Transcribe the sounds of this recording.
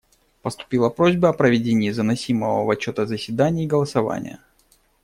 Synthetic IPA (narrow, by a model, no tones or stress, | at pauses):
pəst̪ʊ̥pʲilˠəpɾo̞zʲbəɐpɾəvʲɪdʲenʲɪːzənɐsʲiməvə̰vɐt͡ɕːo̞t̪əzəsʲvʲɪd̪anʲɪːɡəlˠəsɐva̰nʲɪ̰jə̰